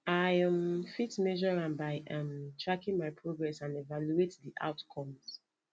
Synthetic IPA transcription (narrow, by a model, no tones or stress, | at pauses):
ajãmfitmɛʒɔɹãnbaɪʔãmtʰɹakĩnmajpʰɹoɡɹɛsãnɛvaluetdiʔa̰ʊtkʰɔ̃ms